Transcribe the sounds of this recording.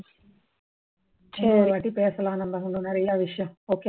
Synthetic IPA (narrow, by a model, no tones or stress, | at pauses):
t͡ʃeʋaʈipeːsɐlaːnɐmb̪ɐɦuɳunːɐɾijaːʋiʂjɐmoːke